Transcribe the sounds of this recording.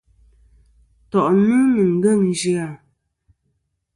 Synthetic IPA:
tɔ˨ʔnu˦nɨ˨ŋ̩˨ɡɛ˦˨ŋ˨d͡ʒi˦a˨

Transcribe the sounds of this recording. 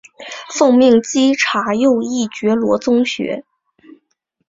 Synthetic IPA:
fɤ˥˧ŋmi˥˩ŋt͡ɕi˥ʈ͡ʂʰa˧˥jo˥˧ʊi˥˩t͡ɕɥɛ˧˥lwɔ̰˧˥t͡sʊ˥ŋɕɥɛ̰˧˥

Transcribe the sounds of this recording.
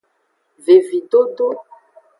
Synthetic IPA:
ve˨vi˨do˦do˦

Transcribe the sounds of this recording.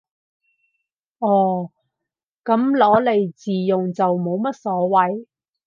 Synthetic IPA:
ʔɔː˨˩ | kɐ˨˥mlɔː˨˥le˨˧jt͡siː˨jʊ˨ŋt͡sɐ˨wmo˨˧wmɐ˥t̚sɔː˨˥wɐ˨˥j

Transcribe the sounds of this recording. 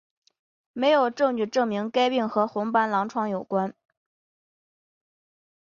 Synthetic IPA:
me˧˥ɪjo˨˩ʊʈ͡ʂɤ˥˧ŋt͡ɕy˥˩ʈ͡ʂɤ˥˩ŋmi˧˥ŋka˥ɪpi˥˩ŋxɤ˧˥xʊ˧˥ŋpa˥nlɑ˧˥ŋʈ͡ʂʰwɑ˥˩ŋjo˨˩ʊkwa˥n

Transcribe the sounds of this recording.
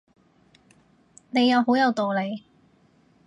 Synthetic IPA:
ne˨˧jːɐ˨˧wɦo˨˥wjɐ˨˧wt̪ɔː˨le˨˧j

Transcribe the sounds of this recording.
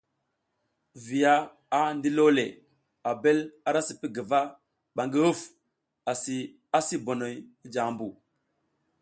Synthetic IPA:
vi˨ja˦ | a˦ndi˦lo˦le˨ | a˨be˦la˦ɾa˦si˨pi˦ɡə˨va˦ | ɓa˨ŋɡi˦hu˦f | a˨si˨ | a˦si˦bo˨no˨ji˦d͡ʒa˨˦mbu˨

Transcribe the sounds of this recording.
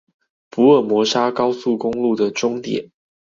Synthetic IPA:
pu˧˦ə˥˩mwɔ˧˥ʂa˥kɑ˥ʊsu˥˨˩kʊ˥ŋlu˥˨d̪ə˨ʈ͡ʂʊ˥ŋt̪jɛ̰˨˩˦n

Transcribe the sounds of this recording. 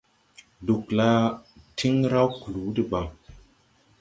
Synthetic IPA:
du˨kla˦tʰi˦ŋɾa˦wku˨lu˨˦di˨ba˨ŋ

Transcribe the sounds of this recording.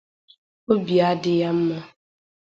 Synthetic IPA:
o˦bi˨a˦dɪ˦ja˦m̩˦ma˦

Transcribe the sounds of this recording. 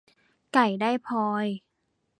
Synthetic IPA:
ka˨˩jdaː˥˩jpʰɔː˧j

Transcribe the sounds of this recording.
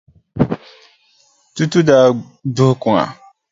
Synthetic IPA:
tu˦tu˦daː˦˨ | dʊ˦hkʊ˨ŋa̰˨

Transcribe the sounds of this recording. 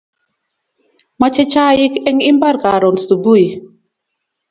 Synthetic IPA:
ma˦t͡ʃɛ˦t͡ʃa˦ji˦kɛ˦ŋi˦mba˦ɾka˨ɾɔ˨nsu˨bu˦i˨

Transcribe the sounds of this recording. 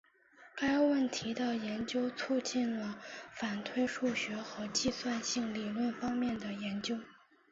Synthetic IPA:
ka˥ɪwə˥˩nt̪ʰi˧˥d̪ə˨jɛ˧˥nt͡ɕjo˥ʊt͡sʰu˥˧t͡ɕi˥˩nlə˩fa˨˩nt̪ʰwe˥ɪʂu˥˩ɕɥɛ˧˥xɤ˧˥t͡ɕi˥˧swa˥˧nɕi˥˩ŋli˨˩lwə˥˩nfɑ˥ŋmjɛ˥˩nd̪ə˩jɛ˧˥nt͡ɕjo˥ʊ

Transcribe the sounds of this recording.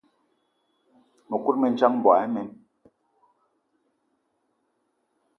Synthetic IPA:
me˨ku˦ɾ̚mɛ˨n˦t͡ʃa˦mm˨bwa˨ɛ˦mɛ˨n

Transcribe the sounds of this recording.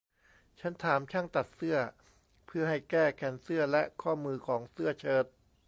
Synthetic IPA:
t͡ɕʰa˦˥nt̪ʰaː˩˦mt͡ɕʰa˥˩ŋt̪a˨˩t̪̚sɯ˥˩ɐ | pʰɯ˥˩ɐɦa˥˩jkɛː˥˩kʰɛː˧nsɯ˥˩ɐlɛ˦˥ʔkʰɔː˥˩mɯː˧kʰɔː˩˦ŋsɯ˥˩ɐt͡ɕʰɤː˦˥t̪̚

